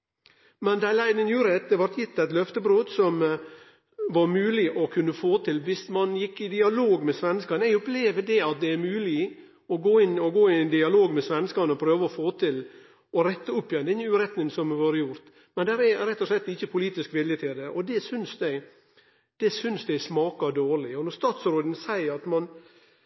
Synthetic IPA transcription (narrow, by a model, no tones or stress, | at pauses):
mɛnd̪æɪlæɪnənjuːɾɛt̪əʋɑɾt̪ʰjɪt̪ːæɪt̪lœft̪əbɾoːd̪sɔm | ʋɑɾmʉːlɪʔɔkʰʉnːəfoːt̪ʰɪlʋɪsmɑnjɪkːɪd̪ɪɑloːɡmɛsʋɛnskɑnəɛɪɡʊpleːʋəd̪ɛɑt̪̚d̪ɛæɾmʉːlɪ | ɔɡoːɪnːɔɡoːɪɛnd̪ɪɑloːɡmɛsʋɛnəskɑnəɔpʰɾøːʋəɔfoːt̪ʰɪl | ɔɾɛt̪ːəʊpːjɛnd̪ɛɪɲːəʉːɾɛt̪nɪŋəsɔmɛʋoːɾəjʊɾt̪ | mɛnd̪æɾɛɾɛt̪ːɔslɛt̪ːɪçːəpʰʊliːt̪ɪskʋɪljət̪ʰɪld̪ɛʔɔd̪ɛsʏnsd̪ɛɪ | d̪̥ɛsʏnsd̪ɛɪsmɑːkɑd̪oːɭɪɔnɔɾst̪ɑːt̪sɾoːd̪n̩sæɪəɾɑt̪mɑn